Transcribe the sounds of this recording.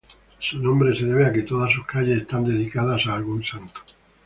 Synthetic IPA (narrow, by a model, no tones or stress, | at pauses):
sunõmbɾeseðeβ̞eaket̪oð̞as̬uskaʎeest̪and̪eðikaðasaːlɣunsant̪o̥